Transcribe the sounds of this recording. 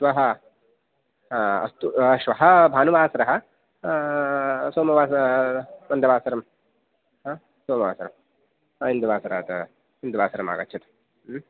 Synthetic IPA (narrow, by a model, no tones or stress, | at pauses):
ʃʋɐɦɐ | ɐ̰st̪uʃʋɐɦɐbʱaːnuʋaːsɐɾɐɦɐ̆ | soːmɐʋaːs | mɐnd̪ɐʋaːsɐɾɐm | aː | soːmɐʋa̰ːsɐɾɐm | aind̪uʋaːsɐɾa̰ːt̪ɐ | ind̪uʋaːsɐɾɐma̰ːɡɐtːt͡ʃʰɐt̪ɐ̥